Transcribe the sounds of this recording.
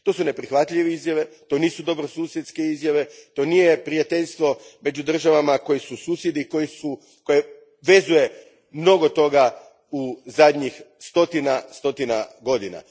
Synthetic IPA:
t̪o̞ːsune̞pɾixʋat̪ʎʲiʋeizjaʋe̞t̪o̞ːniːsud̪o̞bɾosuːsje̞t̪ske̞izjaʋe̞t̪o̞nijepɾijat̪e̞ʎʲst̪ʋo̞me̞d͡ʒud̪r̩ʒaʋamako̞jisusuːsje̞d̪ikojisu | ko̞je | ʋe̞zuje̞ | mno̞ɡo̞t̪o̞ɡa | uzad̪ɲixst̪o̞t̪inast̪o̞t̪ina̰ɡo̞d̪ina̰

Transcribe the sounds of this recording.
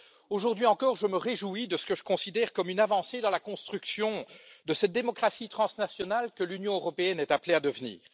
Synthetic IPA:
oʒuʁd̪ɥiɑ̃kɔʁʒəməʁeʒuid̪əsə̥kəʒə̥kɔ̃sid̪ɛʁkɔmynavɑ̃sed̪ɑ̃lakɔ̃st̪χyksjɔ̃d̪əsɛt̪̚d̪emɔkχasit̪χɑ̃snasjɔnalkəlynjɔ̃øʁɔpeɛnɛt̪aplead̪əvnḭːʁ

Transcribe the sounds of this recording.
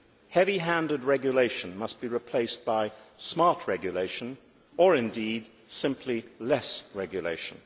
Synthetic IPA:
hɛviɦæ̃ndɨd̚ɹɛɡjəleɪʃɨ̃nmʌsb̥iɹɨpʰl̥eɪsb̥aɪsmɑɹt̚ʰɹɛɡjɨleɪʃɨ̃n | ə˞ɨ̃ndid̥ | sɪ̃mpʰlilɛsɹɛɡjɨlḛɪʃn̩

